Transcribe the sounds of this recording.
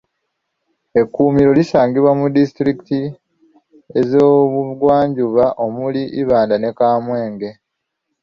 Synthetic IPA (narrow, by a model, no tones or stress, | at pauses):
e̞kːuːmiɾo̞lisaːŋɡiβwamudisi̥tɾiki̥ti | e̞zoːβuɡwaːɲɟuβaʔo̞muliʔiβaːndane̞kaːmwe̞ːŋɡe̞